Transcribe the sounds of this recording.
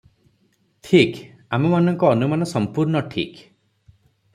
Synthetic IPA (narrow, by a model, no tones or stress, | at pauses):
ʈʰik | amɔmanɔŋkɔːnumanɔsɔmpuɾɳɔʈʰḭk